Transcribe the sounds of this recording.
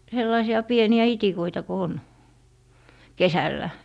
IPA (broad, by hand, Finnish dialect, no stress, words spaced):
selːɑisiɑ pieniæ itikoitɑ ko on kesælːæ